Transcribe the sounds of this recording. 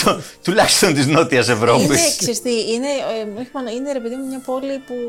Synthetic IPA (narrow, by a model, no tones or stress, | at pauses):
t̪ot̪ulɐçi̥st̪o̞nt̪izno̞t̪iɐse̞vɾo̞pisksist̪iinemeçimonoineɾepeðimemɲɐpo̞lipu